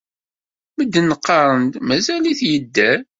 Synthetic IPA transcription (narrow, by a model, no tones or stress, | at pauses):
məd̪ːənəqːɑɾˤənd̪mæzæliθjəd̪ːæ